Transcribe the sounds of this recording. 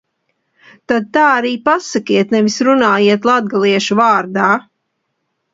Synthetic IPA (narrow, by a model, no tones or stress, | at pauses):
t̪ad̪̚t̪aːaɾiːpasakiɛt̪nɛvisɾunaːjiɛt̪lˠad̪̚ɡalˠiɛʃuvaːɾd̪aː